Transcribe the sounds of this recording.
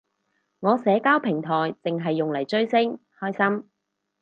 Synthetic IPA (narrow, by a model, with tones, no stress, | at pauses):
ŋɔː˨˧sɛː˨˥kaː˥wpʰɪ˨˩ŋt̪ʰɔː˨˩jt͡sɪ˨ŋɦɐ˨jːʊ˨ŋlɐ˨˩jt͡ʃɵ˥ɥsɪ˥ŋhɔː˥jsɐ˥m